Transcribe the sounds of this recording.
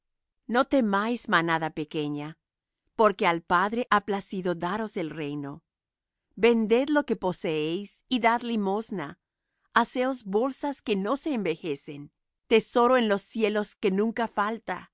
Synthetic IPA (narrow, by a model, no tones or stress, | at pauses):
no̞t̪e̞majzmanaðape̞ke̞ɲa | po̞ɾke̞alpaðɾe̞ʔaplasiðo̞ðaɾo̞se̞lre̞jno̞ | be̞nd̪e̞ðlo̞ke̞po̞se̞ejsiðaðlimo̞zna | ase̞o̞zβo̞lsaske̞no̞se̞ːmbe̞xe̞se̞n | t̪e̞so̞ɾoenlo̞sːje̞lo̞ske̞nũŋkafalt̪a̰